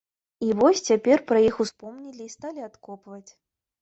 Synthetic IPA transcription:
ivɔsʲt͡sʲapʲɛrpɾɐjixuspɔmnʲilʲiːst̪alʲiat̪kɔpvɐt͡sʲ

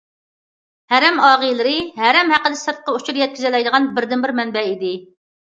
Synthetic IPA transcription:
hæɾɛmɑːʁɨjlˠɨɾɨɦæɾɛmhæqəd̪ɪsɨɾt̪̚qːɑut͡ʃʰuɾjɛt̪̚kʲizɪlɛjd̪əʁɑnbɪɾd̪ɪnbɪɾmɛnbɛid̪ɪ

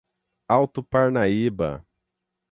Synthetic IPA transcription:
awt̪ʊpaɾnaibɐ̰

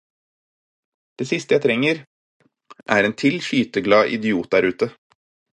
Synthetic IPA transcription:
d̪̥eːsɪst̪əjæɪt̪ʰɾɛŋːəɾ | ʔæːɾeːnt̪ʰɪlçyːt̪əɡlɑːʔɪ̰d̪ɪuːt̪̚d̪æɾʉːt̪ə

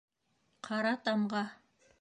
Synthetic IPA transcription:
qʰɑɾɑt̪ɑmʁɑ

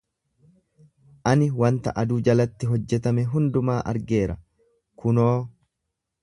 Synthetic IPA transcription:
ʔɐnɪwɐnt̪ɐ̰ʔɐd̪uːd͡ʒɐlɐt̪ːɪɦɔd͡ʒːɛt̪ɐmɛɦʊnd̪ʊmaːʔɐ̰ɾɡe̞ːɾɐ̰ | kʊnoː

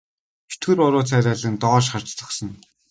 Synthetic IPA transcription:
u̥t̪ɡɘ̆ɾʊɾʊːt͡sʰæːɾʲæːɮĭnt̪ɔːʃχar̥t͡ɕt͡sə̆χsə̆n

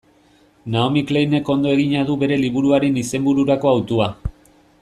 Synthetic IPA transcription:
naomiklejne̞ko̞nd̪o̞e̞ɣiɲað̞uβe̞ɾe̞liβuɾuaɾe̞nise̞mbuɾuɾako̞awt̪ua

